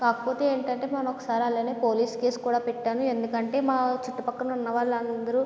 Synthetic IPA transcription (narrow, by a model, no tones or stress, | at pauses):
kaːkɐ̥po̞ːt̪e̞ːeːɳʈɐɳʈe̞ːmɐnɐmɔkːɐ̥saːɾiɐlːeːneːpo̞ːliːske̞ːskuːɽaːpɛʈːaːnue̞nd̪ukɐɳʈe̞ːmaːt͡ʃiʈːupɐkːɐnunːɐʋaːɭːɐnd̪ɐɾu